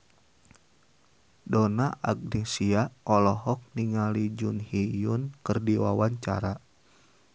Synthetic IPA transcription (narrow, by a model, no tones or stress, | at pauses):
dɔnaʔaɡ̚disiaʔɔlɔɦɔk̚niŋalid͡ʒʊnhijʊnkərdiwawaɲt͡ʃa̰ɾa